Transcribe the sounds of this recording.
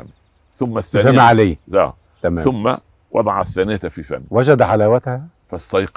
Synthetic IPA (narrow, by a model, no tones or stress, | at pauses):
mː | θʊmːæθːæːd͡ʒæmaʕaleːzæ̰ | t̪æmæːθʊmːa̰ | wɑ̰d̪ˤɑʕɑθːæːnɪj̪fifæ̰nːwæd͡ʒæd̪ħalæːwæt̪hæ | fæst̪ɑjq